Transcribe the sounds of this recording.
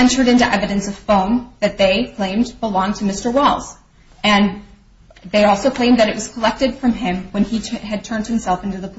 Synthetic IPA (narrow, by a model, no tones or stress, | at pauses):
ɛ̃nt͡ʃə˞ɾɪ̃ntʉʔɛvɨɾɨ̃nsʌv̥fõʊ̃nðɨt̪̚ðeɪkʰl̥ẽɪ̃mbəlɔ̃ŋtʰɨmɪstə˞wɔlˠz̥ | ɨ̃n | ðeɪɔlˠsoʊkʰl̥ẽɪ̃mðɨɾɨʔ̚wʌz̥kʰəlɛk̚tɨd̥fɹʌ̃mɪ̃mwə̃niɨd̚tʰɜ̃˞nd̚hɨ̃m̩sɛlˠfɪ̃ntʉðəpʰ